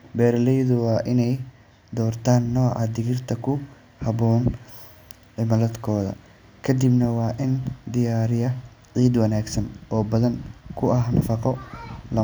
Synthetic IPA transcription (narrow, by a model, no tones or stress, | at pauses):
bɛːɾlɛjðʊwɑːʔɪnɛj | d̪ɔːrt̪ʰaːnːɔːʕɑ̰d̪ɪɣɪrt̪ʰɐkʰʊ | hɐβɔːn | ʕɪmɐlɐd̪kʰɔːðɐ̰ | kʰɐd̪ibnɐwɑːʔɪnd̪ɪjaːɾɪjɐ | ʕiːd̪wɐnaːɡsɐnɔːbɐðɐŋkʰʊɐɦnɐfɑqɔlɐ